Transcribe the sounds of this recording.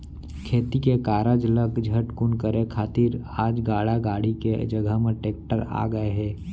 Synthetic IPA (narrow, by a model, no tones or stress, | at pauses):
kʰeːt̪ikekaːɾəd͡ʒləkd͡ʒʱəʈkʊnkəɾekʰaːt̪iɾ | aːd͡ʒɡaːɽaɡaːɽiked͡ʒəɡʱəɦmẽʈeːk̚ʈəɾa̰ːɡəeɦɛː